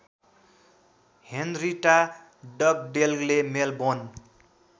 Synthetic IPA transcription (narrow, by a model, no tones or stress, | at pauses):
hendriʈa | ɖʌk̚ɖelɡlemelbon